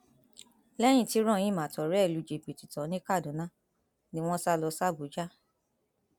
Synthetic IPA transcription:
lɛ˦j̃ĩ˧˨ti˧˦ɾ̃ɔ̃˦˨j̃ĩ˦mã˨tɔ˨ɾɛ˨˦˨lu˨˦d͡ʒe˨bi˨ti˨tɔ̃˨˦nĩ˦ka˦˨dũ˨˦nã˦ | nĩ˧˦w̃ɔ̃˦sa˦lɔ˧sa˦˨bu˨˦d͡ʒa˦

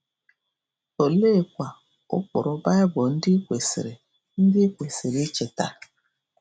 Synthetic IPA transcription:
o˨le˦˨kʷa˨ | ʊ̰˦k͡pʊ̰˨ɾʊ˦ba˦ɪ˦bo˨n̩˦dɪ˦kʷe˨sḛ˨ɾe˨ | n̩˦dɪ˦kʷe˨se˨ɾi˦t͡ʃe˨ta̰˦

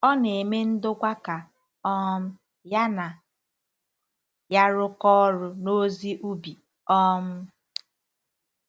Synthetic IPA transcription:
ɔ˦ne˨e˨me˦n̩˦dʊ˦kʷa˦ka˨ | ɔ˦m̩˦ | ja˦na˨ | ja˦ɾʊ˦kɔ˦ɾʊ˦no˦zi˦ʔu˦bi˨ | ɔ˦m̩˦

